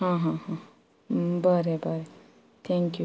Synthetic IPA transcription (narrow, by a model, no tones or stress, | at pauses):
ɦãːɦãɦã | bəɾebʱəɾe | t̪ʰɛ̃ŋkju